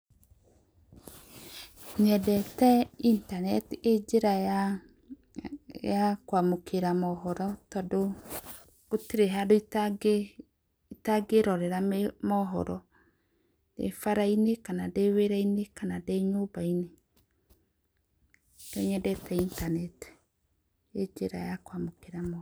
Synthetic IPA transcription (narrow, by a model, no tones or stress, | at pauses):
ɲɛdɛtɛintanɛtiʔed͡ʒeɾa | jakwamokʰeɾamɔɦɔɾɔtɔdo | otiɾeɦadoi | itaɡeɾɔɾɛɾammɔɦɔ̰ɾɔ | d̥ḛfaɾainekanadeweɾainekanadeɲobaine | d̥oɲɛdɛtɛintanɛti̥ | ed͡ʒeɾa̰jakwamokeɾamɔ